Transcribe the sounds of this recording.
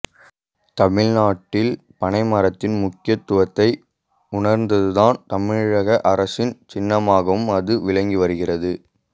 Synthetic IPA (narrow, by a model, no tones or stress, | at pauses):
t̪ɐmɪɻnaːʈːɪl | pɐɳɐɪmɐɾɐt̪ːɪnmʊkːɪjɐt̪ːʊʋɐt̪ːɐɪ | ʊɳɐɾnd̪ɐðɯðaːnt̪ɐmɪɻɐɣɐʔɐɾɐsɪnt͡ʃɪnːɐmaːɣɐʋɯmɐðɯʋɪɭɐŋɡiʋɐɾɯɣɪrɐðɯ